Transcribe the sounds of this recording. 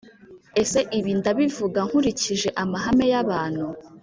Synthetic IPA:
e̞se̞ʔiβindaβivuɡaŋhuɾiciʒe̞ʔamaɦame̞jaβaːn̥hu

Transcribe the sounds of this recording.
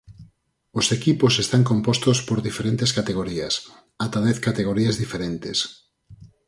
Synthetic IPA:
osekipʊsest̪aŋkõmpost̪ospoɾðifeɾẽnt̪eskat̪eɣ̞oɾiɐs | at̪aðɛθkat̪eɣ̞oɾiɐzðifeɾent̪es

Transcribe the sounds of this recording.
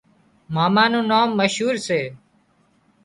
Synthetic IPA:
maːmãːnũːnaːmːəʃɦuːɾseː

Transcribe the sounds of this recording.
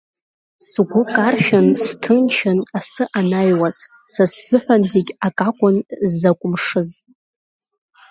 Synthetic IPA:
sɡʷʊkʼarʃʲᶣanstʰɨnt͡ʃʰanasɨʔanajwaz̥ | sasz̥ɨħᶣʷanzeɡʲakʼakʷʼʊnzːakʷʼʊmʂɨz

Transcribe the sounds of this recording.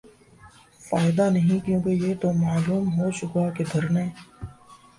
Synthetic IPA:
faːɪd̪anɐɦĩkjõːkejet̪omaːluːmɦot͡ʃʊkaked̪ʱɐɾneː

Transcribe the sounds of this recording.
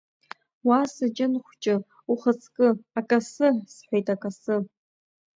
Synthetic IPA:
wasɨd͡ʒʼɪnχʷt͡ʃʼɪ | uχət͡sʰkʼɨakʼasɨsħʷejtʼakʼasɨ

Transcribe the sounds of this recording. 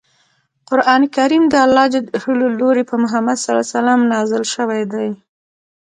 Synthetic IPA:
qʊɾʔɑnikaɾimd̪əalːɑd͡ʒəhəloloɾepəmʊɦamad̪saɾa̰salɑmnɑzɪlʃəwajd̪aj

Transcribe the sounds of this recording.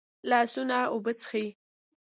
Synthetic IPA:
lɑsunaobət͡sə̥xaji

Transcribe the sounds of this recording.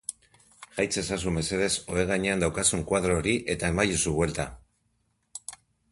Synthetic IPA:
ʝajt͡se̞sasume̞se̞ðe̞so̞eɣ̞aɲe̞and̪awkasuŋkwað̞ɾo̞ːɾiʔe̞t̪ae̞majusuβwe̞lt̪a

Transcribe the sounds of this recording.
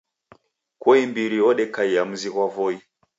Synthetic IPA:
kɔimbiɾiɔɗɛkaijamuziɣwavɔi

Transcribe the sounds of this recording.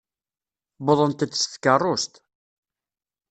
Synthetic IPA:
bʊðˤənt̪ət͡sːsθkːərˤːost̪

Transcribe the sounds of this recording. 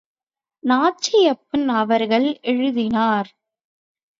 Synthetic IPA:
naːt͡ʃɪjɐpːɪnɐʋɐɾɣɐɭɛɻɯðɪnaːɾ

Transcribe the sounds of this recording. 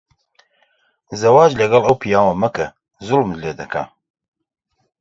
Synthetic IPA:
zɐwaːd͡ʒlɐɡɐlˠɐwpʰijaːwɐmɐkɐ | zulmd̪leːd̪ɐkʰa̰ː

